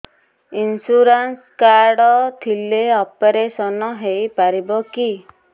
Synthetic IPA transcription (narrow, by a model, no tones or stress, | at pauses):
insuɾans | kaɾɖɔt̪ʰileɔpeɾesɔnɔɦejpaɾibɔki